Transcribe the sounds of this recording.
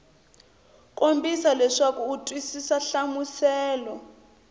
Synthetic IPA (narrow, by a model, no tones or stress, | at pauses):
kʼombisalɛʂakuːtʼwisisaɬamusɛːlɔ